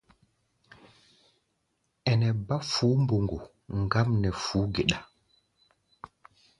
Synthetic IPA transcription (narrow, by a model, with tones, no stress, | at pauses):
ɛ˨nɛ˨ba˦fuː˨˦mbo˨ŋɡo˨ | ŋɡa˦mnɛ˨fuː˨˦ɡe˨ɗa˨